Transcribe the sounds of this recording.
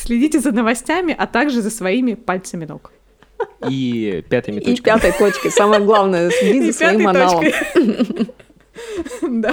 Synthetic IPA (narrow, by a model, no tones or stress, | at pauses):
sʲlʲɪdʲitʲɪzənəvɐsʲtʲæmʲɪʔɐt̪aɡʐɨzəsvɐimʲɪpalʲt̪səmʲɪnok | ipʲat̪əjmʲɪt̪opʲkʲat̪əjt̪ot͡ɕkʲɪsaməjəɡlˠavnəjəsʲlʲɪdʲit̪ʲzəsʲvɐimmːɐnalˠə | d̪a